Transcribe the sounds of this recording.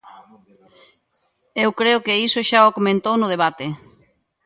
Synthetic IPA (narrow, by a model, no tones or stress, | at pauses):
ewkɾeʊkeisoʃaokomẽnt̪ownʊð̞eβat̪e